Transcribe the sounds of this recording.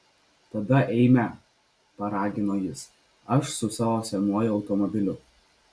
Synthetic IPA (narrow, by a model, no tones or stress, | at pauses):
t̪ɐd̪ɐʔɛɪmʲɛ | pɐɾɑːɡʲɪnoːjɪs | ɐʃsʊsɑːʋoːsʲɛnuɔjʊɒʊt̪ɔmɔbʲɪlʲʊ